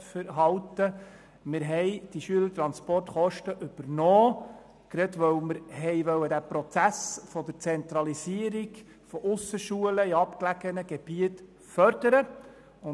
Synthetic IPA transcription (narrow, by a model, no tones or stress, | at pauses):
fəɾɦɑwt̪ə | mɪɾɦɛjd̥iʃyələɾt̪ɾɑnspɔrtχɔʃtəʔʏb̥əɾnɔː | ɡ̥ɾɛt̪ʋœwməɾɦɛjʋœwədæpɾɔt͡sæsfɔd̥̪əɾt͡sɛnt̪ɾɑlisiəɾiɡ | fɔʔʊsəʃuələiɑpklæɡ̥ənəɡ̥eb̥iət | fœɾd̥əɾə | ʊ